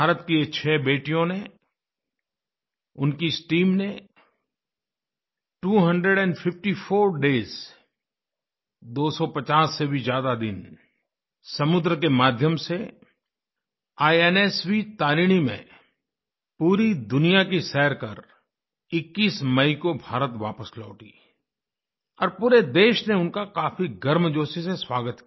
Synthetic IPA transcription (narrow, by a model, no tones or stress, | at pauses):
bʱaːɾət̪kiet͡ʃʰɛːbeːʈijõne | ʊnkiɪsʈiːmne | ʈuːɦɐ̃ɳɖɾeɖɛ̃ːɳɖfʰɪfʈifʰoːɾɖeːz | d̪oːsɔpɐt͡ʃaːsːebʱizjaːd̪ad̪ɪ̰n | sɐmʊd̪ɾəkemaːd̪ʱjəmse | aːɛːnɛswit̪aːɾiːɽ̃imḛ̃ | puːɾid̪ʊnijakisɛːɾkɐɾ | ɪkːiːsmɐikobʱaːɾət̪ʋa̰ːpəslɔ̰ːʈiː | ɔːɾpuːɾed̪eːʃneʊnkakaːfiɡɐɾmd͡ʒoːsiseswaːɡət̪ki